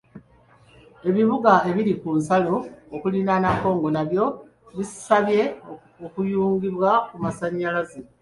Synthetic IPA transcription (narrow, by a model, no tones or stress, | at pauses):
e̞βiβuɡae̞βiɾikunsaloːkulinanako̞ːŋɡo̞naβjo̞ | βissaβje̞ | okujuːŋɡiβwakumasaɲːalaze